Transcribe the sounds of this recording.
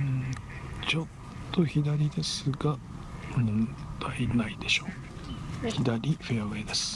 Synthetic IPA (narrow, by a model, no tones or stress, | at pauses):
t͡ɕo̞t̪ː | o̞çid̪aɾʲid̪e̞sɨɡa | mnt̪ainaid̪e̞ɕo̞ː | ççid̪aɾʲiɸeaed̪e̞sɨ̥